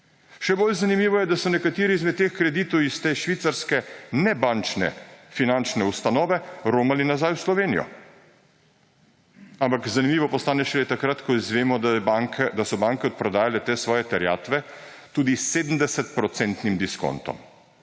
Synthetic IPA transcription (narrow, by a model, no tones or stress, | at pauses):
ʃɛbolzanimiːʋɔjɛd̪asɔnɛkat̪iːɾiizmɛd̪t̪ːeːxkɾɛd̪iːt̪ɔwist̪eːʃʋiːt̪saɾskɛnɛbant͡ʃnɛ̰finant͡ʃnɛust̪anɔːʋɛɾoːmalinazajwslɔʋeːnijɔ̰ | ampakzanimiːʋɔpɔst̪aːnɛʃɛlet̪akɾat̪kɔizʋeːmɔkɛd̪asɔbaŋkɛɔt̪̚pɾɔd̪aːjalɛt̪eːsʋɔːjɛt̪ɛɾja̰ːt̪ʋɛt̪uːd̪iseːd̪m̩d̪ɛsɛt̪pɾɔt̪sɛnt̪nimd̪isko̰nt̪ɔ̰m